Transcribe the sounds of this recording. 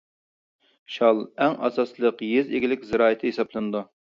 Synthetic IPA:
ʃɑlˠɛŋʔɑ̰sɑslˠəqjezeɡʲilɪkʲzɪɾɑːɪt̪ʰɨesɑblˠɨnɨd̪u

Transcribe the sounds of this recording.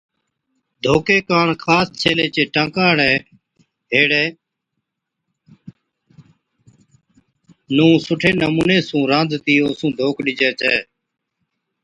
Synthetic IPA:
d̪ʱoːkeːkaːɳkʰaːst͡ʃʰeːleːt͡ʃeːʈãːkaːɽɛː | ɦeːɽeː | nũːsʊʈʰeːnəmuːnẽːsũːɾãːnd̪ʱt̪iːoːsũːd̪ʱoːkɗɪd͡ʒɛːt͡ʃɛː

